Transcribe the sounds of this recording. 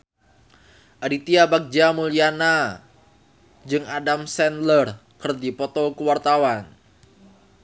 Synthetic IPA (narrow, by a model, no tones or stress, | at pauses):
ʔaɾit̪iabak̚d͡ʒamuliana | d͡ʒɨŋadamsɛnlər | kərdipɔt̪ɔkəwart̪awan